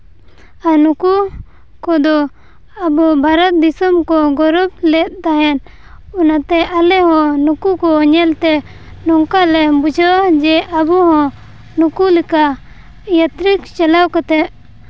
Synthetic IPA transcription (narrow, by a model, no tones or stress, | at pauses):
anuku | kɔd̪ɔ | abubʱaɾɔt̪̚d̪isɔmkɔɡɔɾɔb̚lɛt̪̚t̪aɦɛn | unat̪ɛʔalɛɦɔ̃nukukɔɲɛlt̪ɛ | nɔŋkalɛbud͡ʒʱawad͡ʒɛʔabuɦɔ̃ | nukulika | jat̪ɾikt͡ʃalawkat̪ɛʔ̪̚